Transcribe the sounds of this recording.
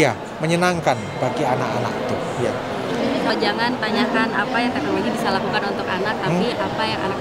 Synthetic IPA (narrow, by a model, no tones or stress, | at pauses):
ja | məɲənaŋkanb̥aɡianaka̰na̰kt̪u | ja̰ | inisod͡ʒaŋant̪aɲakanapajaŋt̪akaaɡibisalakukanunt̪ʊkanak̚t̪aiapajaŋa̰na